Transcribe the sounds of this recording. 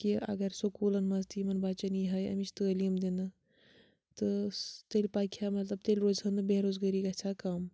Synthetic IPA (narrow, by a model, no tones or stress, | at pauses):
kiɐ̰ɡɐɾsokuːlɐnmɐzt̪imɐnbaːt͡ʃɐniːɦɐːjɐ̰mit͡ʃʰt̪əːliːmd̪inɨ | t̪ɨt̪elʲpaːkʰjaːmɐt̪lɐb̚t̪elʲɾoːzɦɐnɨbeːɾoːzɡɐɾikaːt͡ʃʰakaːm